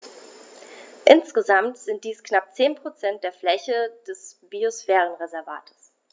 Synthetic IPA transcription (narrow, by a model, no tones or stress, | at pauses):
ʔɪnsɡ̥əzamtz̥ɪntd̥iːsknap̚t͡seːnpʁ̥ot͡sɛnt̚d̥eːɐflɛçəd̥ɛsb̥iosfɛːʁ̞ənʁezɛɐva̰ːtʰə̥s